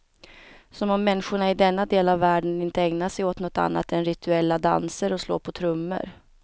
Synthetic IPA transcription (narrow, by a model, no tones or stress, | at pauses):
sɔmɔmːɛnːɧʊɳaɪd̪ɛnːad̪eːlavːæːɖənɪnt̪əɛŋnaʂɛjoːt̪nɔt̪a̰nːa̰t̪ɛnɾɪt̪ʰɵɛlːad̪a̰nsəɾɔslo̰ːpʰɔt̪ʰɾɵmːə̰ɾ